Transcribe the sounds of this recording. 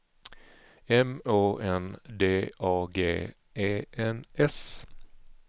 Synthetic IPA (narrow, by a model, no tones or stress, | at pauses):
ɛmoːʔɛnd̪eːʔɑːɡḛː | ʔeːʔɛnɛs